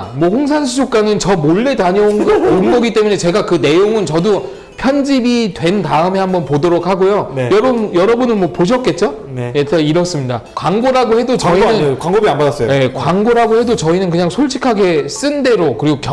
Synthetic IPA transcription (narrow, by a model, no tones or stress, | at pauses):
mwʌɸoŋs̬ʰanɕʰid͡ʑʰok̚k͈anɯnt͡ɕʌmoɭːe̞taɲʌonɡʌonɡʌɡit͈e̞mune̞t͡ɕe̞ɡakɯne̞joŋɯnt͡ɕʌdo | pʰjʌnd͡ʑibidwe̞ntaɯme̞hambʌnpodoɾok̚haɡojojʌɾojʌɾʌbunɯnmwʌpoɕ̬ʰʌt̚k͈e̞t̚t͡ɕ͈o | jetʌiɾʌs͈ɯmɲidakwaŋɡoɾaɡohe̞dot͡ɕʌinɯnkwaŋɡobianbadas͈ʌjje̞kwaŋɡoɾaɡohe̞dot͡ɕʌinɯnkɯɲaŋsʰoɭt͡ɕʰi̥kʰaɡe̞s͈ɯnde̞ɾokɯɾiɡokjʌ